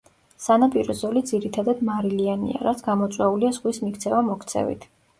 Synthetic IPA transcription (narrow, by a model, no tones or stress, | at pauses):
sanapʼiɾɔzɔlid̪ziɾit̪ʰad̪ad̪maɾilianḭa̰ɾat̪sʰɡamɔt̪sʼwɛuliaz̥ʁwismikʰt̪sʰɛvamɔkʰt̪sʰɛ̰vḭt̪ʰ